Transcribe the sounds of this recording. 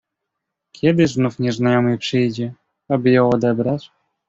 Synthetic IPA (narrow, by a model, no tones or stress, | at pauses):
kʲjɛd̪ɘznufɲɛznajɔmɘpʂɘjd͡ʑɛ | abɘjɔ̃w̃ɔd̪ɛbɾat͡ɕ